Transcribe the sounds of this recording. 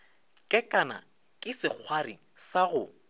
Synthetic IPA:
kʼɛkʼana̰ | kʼɪsɪk͡xʰwari | saɣʊ

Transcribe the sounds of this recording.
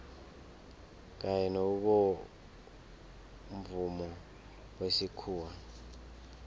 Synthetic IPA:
k̬ʼajɛnouɓɔ | ɱvumɔ | wesikʰuːwa

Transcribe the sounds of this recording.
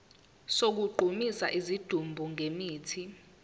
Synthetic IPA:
sok̬uɡ͡ǃʱumisa̰ʔizid̥ʱumbʱuŋʱemiːtʰi

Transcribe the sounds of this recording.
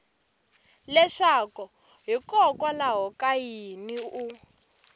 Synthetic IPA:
lɛʂakɔ | ɦikʼɔkʼwalaɦɔkʼajiniu

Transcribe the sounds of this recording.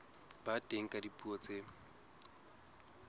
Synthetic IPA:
batʼeŋ̩kʼadipʼuɔt͡sʼe

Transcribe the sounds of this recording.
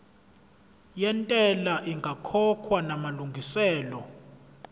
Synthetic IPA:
jɛntʼɛlaʔiŋɡʱakʰɔkʰwanamaluŋɡʱisɛːlɔ

